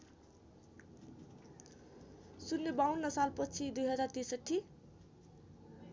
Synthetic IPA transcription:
sunːebawnːʌsalpʌt͡sʰid̪ujɦʌd͡zart̪isʌʈʰːi

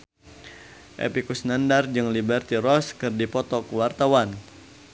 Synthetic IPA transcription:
ʔḛpikusnandard͡ʒɨŋlibɛrt̪iɾɔskɨrdipɔt̪ɔkwart̪awan

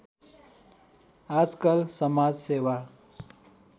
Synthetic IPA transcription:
ad͡zkəlsəmad͡zseʋa

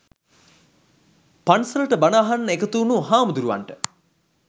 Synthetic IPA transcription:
pansɐləʈəbanaːɦanːəekət̪uːnuɦaːmud̪uɾuʋa̰ɳʈə

